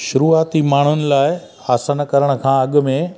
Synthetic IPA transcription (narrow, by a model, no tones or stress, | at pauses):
ʃʊɾuːaːt̪imaːɳ̤ʊnɪ̆laːɪ | aːsənkɐɾəɽ̃ə̆kʰãːɐɠmẽ